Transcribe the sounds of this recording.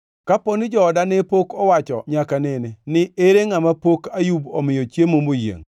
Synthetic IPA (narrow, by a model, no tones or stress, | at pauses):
kaponɪd͡ʒɔːdanepokɔwat͡ʃɔ̰ɲakanɪnɛnɪeɾeŋamapokajubɔ̰mɪjot͡ʃjemomojḛŋ